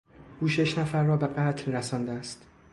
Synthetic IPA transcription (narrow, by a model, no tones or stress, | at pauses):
ʔuːʃe̞ʃnæfæɾːɒːbe̞ɢæt̪ʰlːæsɒːnd̪eæst̪